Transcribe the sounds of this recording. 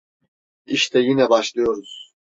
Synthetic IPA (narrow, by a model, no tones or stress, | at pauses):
iʃt̪ʰɛjinɛbaʃlˠɯjo̞ɾuz̥